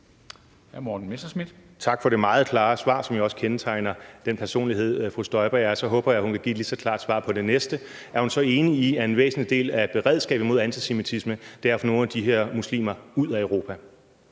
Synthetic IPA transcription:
hæmɒːd̥n̩mesd̥ɐsmid̥t͡sʰɑ̈ɡ̥fɒ̽ɾe̝mɑ̈ːð̞̩ˠkʰlɑ̈ːsʋɑ̰̈ːsɒ̽mjiɒ̽sə̥kʰenət͡sʰɑ̈ɪnɐd̥enpʰæɐso̝̰ːnliɦe̝ð̞̰ˠfʁṵːsd̥ɒɪb̥ɐjæsɒ̽ɦɔ̽ːb̥ɐjɑ̈ɪhunkʰæɡḭd̥lisɒ̽kʰl̥ɑ̈ːd̥sʋɑ̰̈ːpʰɒ̽d̥e̝nesd̥ə | æɐhunsɒ̽e̝ːniiæɐe̝nʋḛːsn̩id̥e̝̰ːlæb̥e̝ʁɛð̞ˠsɡ̥ɛ̰ːb̥̩mo̝ðˠænt͡sʰise̝mit͡sʰisməd̥æɐ̰fɒno̝ːn̩æd̥iɦeɐ̰muslḭːmɐuð̞̰ˠæøʊʁo̝ːpʰæ

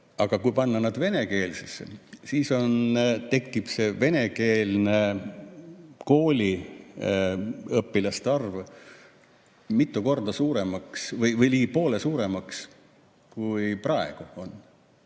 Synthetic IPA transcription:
ɑɡ̥ɑkujpɑnːɑnɑd̪ve̞ne̞ke̞ːlsesːḛsiːso̞nt̪e̞kːˑib̥se̞ve̞neke̞ːlne | ko̞ːlʲi | ɤpːilɑst̪ɑrv | mit̪ːˑuko̞rd̪̥ɑsuːɾe̞mɑksvɯjvɯjliːɡipo̞ːlesuːɾe̞mɑks | kujprɑeɡ̥uo̞nː

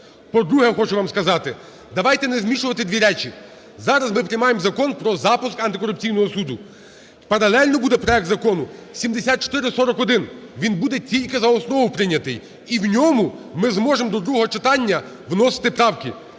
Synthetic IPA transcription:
pɔd̪ɾuɦɛxɔt͡ʃʊʋɑmskɐzɑt̪ɪ | d̪ɐʋɑjt̪ɛnɛzmʲiʃʊʋɐt̪ɪd̪ʲʋʲiɾɛt͡ʃʲi | zɑɾɐzmɪpɾɪjmɑjemzɐkɔnpɾɔzɑpʊskɐnt̪ɪkɔɾʊp̚t͡sʲijnɔɦɔsud̪ʊ | pɐɾɐlˠɛlʲnɔbud̪ɛpɾɔjɛk̚t̪zɐkɔnʊsʲimd̪esʲat̪̚t͡ʃɔ̥t̪ɪɾɪsɔɾɔkɔd̪ɪnʋʲinbud̪ɛtʲilʲkɪzɐɔsnɔʋʊpɾɪnʲːɐt̪ɪj | iwnʲɔmʊmɪzmɔʒemd̪ɔd̪ɾuɦɔɦɔt͡ʃɪt̪ɑnʲːɐ | ʋnɔsɪ̥t̪ɪpɾɑwkɪ

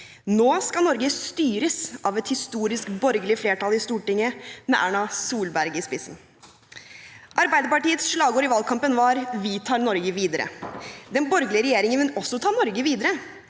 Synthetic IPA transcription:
noːskɑnɔɾɡəst̪yːɾəsʔɑʋɛt̪hɪst̪uːɾɪskbɔɾɡəlɪəfleːʈɑlɪst̪uːʈɪŋːəmɛʔæ̰ːɳɑsuːlbæɾɡɪspɪsn̩ | ʔɑɾbæɪd̪əɾpɑʈiːət̪sʂlɑːɡoːɾɪʋɑlkʰɑmpənʋɑɾʋɪt̪ʰɑːɾnɔɾɡəʋiːd̪əɾə̰d̪ɛnbɔɾɡəlɪəɾɛjeːɾɪŋənʋɛnɔsːɔt̪ʰɑːnɔɾɡəʋiːd̪əɾə

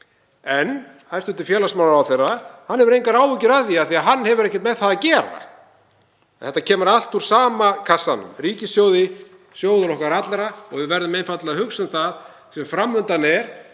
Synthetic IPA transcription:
ɛn | hast̪ʏnt̪ɪɾ̥fjɛːlasmaːwlaɾawθejrahanːɛvʏɾejŋkaɾaːwvʏcɪɾaðiaθiaɦanːhɛvʏɾɛhcɛt̪mɛðθaðacɛːɾa̰ | θɛht̪ːacʰɛːmʏɾal̥t̪uɾ̥saːmakʰasːanʏ̰mriːcɪsjoːwðɪ | sjoːwðʏlɔhkaɾat̪laɾaɔ̰ɣvɪvɛɾðʏmejnfat̪laðahʏksʏnθað | sɛmfɾamːʏnt̪anɛɾ̥

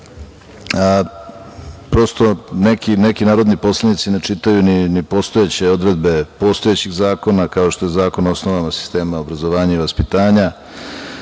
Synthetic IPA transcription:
pɾo̞st̪o̞nekinekinaːɾo̞d̪nipo̞slˠanit̪sine̞t͡ʂit̪ajuninipo̞st̪ojet͡ɕe̞o̞d̪ɾe̞d̪̚be̞po̞st̪o̞et͡ɕiɣzaːko̞nakao̞ʃt̪o̞jezaːkono̞snoʋamasi̥st̪e̞ːmaobɾazo̞ʋaːɲaiʋaspit̪aːɲa

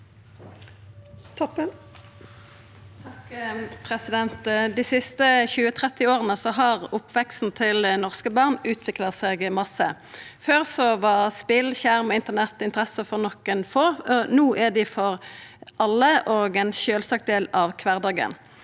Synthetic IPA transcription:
t̪ʰɔp | t̪ʰɑkpʰʁɛsɪd̪ɛnt̪d̪iːsɪst̪əçʉːət̪ʰʁɛt̪ːɪoːʁənəsɔɦɑʁʊpʰːʋɛkst̪n̩t̪ʰɪlnɔʁskəbɑʁnʉːt̪ʰʋɪklɑseːɡmɑsə̰ | føːʁsɔʋɑʁspɪlçæʁmɔɪnt̪ənɛt̪ːɪnt̪əʁɛsəfɔʁnɔkːənfoːɔnuːʔɛd̪ɪfɔʁʔɑlːəʔoːɡɛnʃøːlsɑk̚t̪̚d̪eːlɑʋkʰʋæʁd̪ɑːɡə̰n

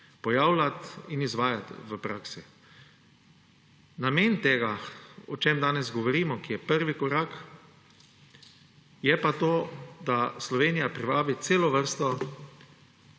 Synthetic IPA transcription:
pɔjaːwlat̪inizʋaːjat̪ʋəpɾaːksi | nameːnt̪eːɡaɔt͡ʃeːmd̪aːnɛzɡɔʋɔɾiːmɔkijɛpəɾʋikɔɾaːk | jɛpat̪oːd̪aslɔʋeːnijapɾiʋaːbit̪seːlɔʋəɾst̪ɔ

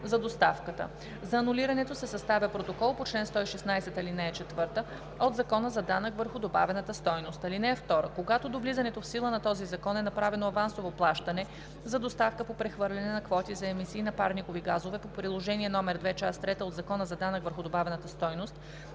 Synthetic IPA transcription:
zɐd̪ost̪afkət̪ə̰ | zɐːnuliɾɐnɛt̪osɛsɐst̪avʲəpɾot̪okɔlˠpot͡ʃlɛnst̪ɔiʃɛsnajsɛt̪ɐlinɛːt͡ʃɛt̪vɤɾt̪ə | od̪zɐkɔnəzɐd̪anəkvəɾxʊd̪oba̰vɛnət̪əst̪ɔjnost̪ɐlinɛɛft̪ɔɾə̰koɡat̪od̪ovlizɐnɛt̪ofsilˠənɐt̪ɔzizɐkɔnɛnɐpɾavɛnoɐvansovoplˠaʃt̪ɐnɛ | zɐd̪ost̪afkəpopɾɛxvɤɾlʲɛnɛnɐkvɔt̪izɐɛmisiːnɐpaɾnikoviɡazovɛpopɾilˠoʒɛniɛnɔmɛɾd̪vɛt͡ʃast̪ɾɛt̪əod̪zɐkɔnəzɐd̪anəkvəɾxʊd̪obavɛnət̪əst̪ɔjnost̪̚

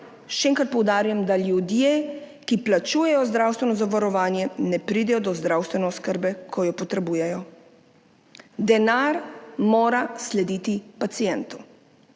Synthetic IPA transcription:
ʃɛeːŋkɾat̪̚pɔwd̪aːɾujɛmd̪aljud̪je | kiplat͡ʃuːjɛjɔzd̪ɾawst̪ʋɛnɔzaʋaɾɔʋaːnjɛnɛpɾiːd̪ɛjɔd̪ɔzd̪ɾaːwst̪ʋɛnɛɔskəɾbɛkʰɔjɔpɔt̪ɾɛbuːjɛjɔ | d̪ɛnaɾmoːɾaslɛd̪iːt̪ipat̪sijɛnt̪u

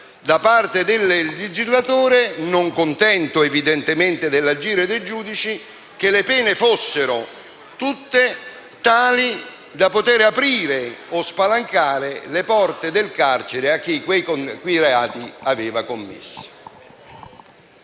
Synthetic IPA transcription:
d̪apart̪ed̪ɪlːled͡ʒizlat̪uːɾenʊŋkʊnt̪ɛnt̪ʊevid̪ɛnt̪ɪment̪ɪd̪ɪlːad͡ʒiːɾed̪ejd͡ʒuːd̪it͡ʃi | k̟elepɛːnɪfosːeɾʊ | t̪ut̪ːe | t̪aːli | d̪apot̪eːɾapɾiːɾeospalaŋkaːɾelepɔrt̪ed̪ɪlkart͡ʃeɾeak̟ːikwejkkwejreaːt̪iavɛːvakomːɪ̰sːo̥

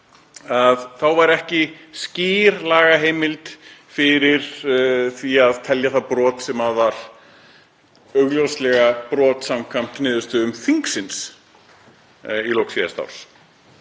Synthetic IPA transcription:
aðθawvaɾɛhcɪsciːɾlaːɣaɦeːjmɪlt̪fɪɾɪɾ̥θiaðt̪ʰɛljaθaðpɾɔːt̪sɛmaðvaɾ̥ | œɣljowst̪lɛɣapɾɔːt̪samkʰam̥t̪nɪːðʏst̪ʏʏmfiŋksɪns | ilowksiða̰st̪a̰wɾ̥s

